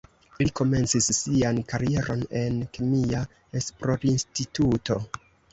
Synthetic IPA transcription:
liko̞me̞nt͡sisːiankaɾie̞ɾo̞ne̞nkemia | espɾoɾinstituto̞

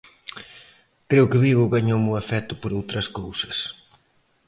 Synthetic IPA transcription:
kɾewkɪβiɣʊɣaɲowmʊafɛt̪ʊ̥poɾowt̪ɾɐskowsɐ̥s

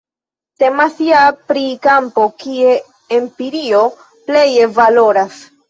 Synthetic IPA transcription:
se̞masiapɾikampo̞kie̞ | empiɾio̞ | ple̞je̞valo̞ɾas

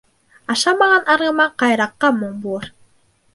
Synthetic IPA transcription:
ɑʃɑmɑʁɑnɑɾʁɤ̆mɑqɑjɾɑqːɑmoɴbuɤɾ

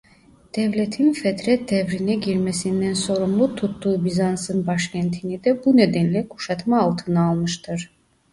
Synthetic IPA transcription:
d̪̥ɛvlʲet̪ʰinfɛt̪ɾɛt̪̚d̪ɛvɾinɛɟiɾmesind̪ænso̞ɾumlˠut̪ʰut̪ːuːbizansɯnbaʃcʰænt̪ʰinid̪ɛbuned̪ænlʲɛkʰu̥ʃat̪maːlˠt̪ʰɯnɯːlˠmɯʃt̪ʰɯɾ̥

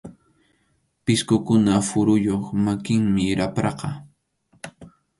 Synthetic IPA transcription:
pɪskʊkʊnafʊɾʊjoχmakɪŋmɪɾʔapɾɑqɑ

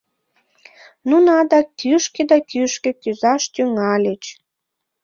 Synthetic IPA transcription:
nunɑd̪ɑkyʃked̪ɑkyʃkĕkyzɑʃt̪yŋɑlʲet͡ɕ

